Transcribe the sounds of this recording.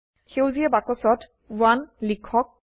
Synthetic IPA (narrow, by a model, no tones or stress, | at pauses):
xewziɛbakɔsɔt | wanlikʰːɔk̚